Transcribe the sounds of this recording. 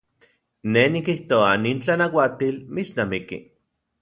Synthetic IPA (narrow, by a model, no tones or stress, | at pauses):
nenikiht̪oaniːnt͡ɬanawat̪ilmit͡snamikḭ